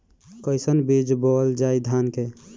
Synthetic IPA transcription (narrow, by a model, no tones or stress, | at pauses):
kəɪsənbid͡ʒbɔld͡ʒaid̪ʱanke